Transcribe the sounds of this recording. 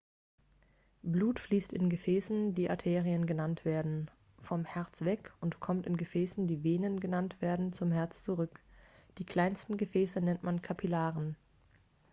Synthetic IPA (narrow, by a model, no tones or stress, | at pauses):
bluːtfliːstɪnɡəfɛːsn̩diːʔatʰeːʁiənɡənantv̥eːɐdn̩ | fɔmhɛɐt͡sv̥ɛkʊntkʰɔmtɪnɡəfɛːsn̩diːveːnənɡənantv̥eːɐdn̩t͡sʊmhɛɐt͡st͡suʁʏkd̥iːkl̥aɪnstn̩ɡəfɛːsənɛntmankʰapʰilaːʁən